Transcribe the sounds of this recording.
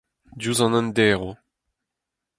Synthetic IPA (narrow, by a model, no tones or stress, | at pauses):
duzɑ̃nɑ̃nd̪ɛːʁo